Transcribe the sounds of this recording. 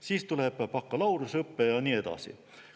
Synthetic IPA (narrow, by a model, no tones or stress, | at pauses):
siːst̪uleb̥pɑkːɑlɑwɾusɤpːejɑniːe̞d̪̥ɑ̰sḭ